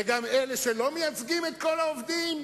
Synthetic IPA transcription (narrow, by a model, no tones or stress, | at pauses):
eɡamele̞ʃe̞lo̞mejat͡sɡimet̪ko̞laovd̪im